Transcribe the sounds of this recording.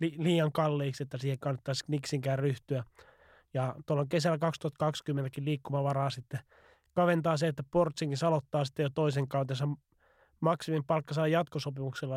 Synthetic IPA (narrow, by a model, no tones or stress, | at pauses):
liliːjɑŋkɑlːeːkset̪ːæsiːhekɑnːɑt̪ːɑsniksiŋkæːrryht̪yæ | jɑt̪uolːoŋkesælːækɑkst̪uhɑt̪kɑkskymːent̪ækiliːkːumɑʋɑrɑːsit̪ːe | kɑʋent̪ɑːseet̪ːæport̪siŋkisɑlot̪ːɑːsi̥t̪ːejot̪oiseŋkɑut̪ensɑ | mɑksimimpɑlkːɑsɑːjjɑt̪kosopimukselːɑ